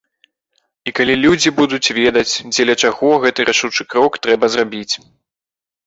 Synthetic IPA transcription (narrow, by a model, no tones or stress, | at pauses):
ikalʲilʲud͡zʲibud̪ut͡sʲvʲɛd̪ɐt͡sʲd͡zʲɛlʲɐt͡ʂaɣɔɣɛt̪ɨɾʔaʂut͡ʂɨkɾɔkt̪ɾɛbɐzrabʲit͡sʲ